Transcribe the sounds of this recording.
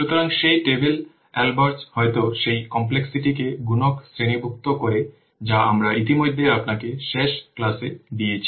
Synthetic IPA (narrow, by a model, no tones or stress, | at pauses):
ʃut̪oɾaŋʃejʈebel | ɛlbaɾshɔet̪oʃejkɔmp̬leksiʈikeɡunoksɾenibʱuk̚t̪okoɾe | d͡ʑaamɾaʔit̪imojd̪ʱːejapnakeʃeʃklased̪iet͡ɕʰi̥